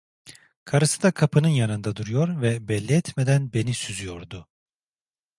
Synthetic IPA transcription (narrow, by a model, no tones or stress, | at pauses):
kʰaɾɯsɯd̪akʰapʰɯnɯnjanɯnd̪ad̪uɾujo̞ɾvɛbɛlʲːiɛt̪med̪ænbe̞nisyzyjo̞ɾd̪ʊ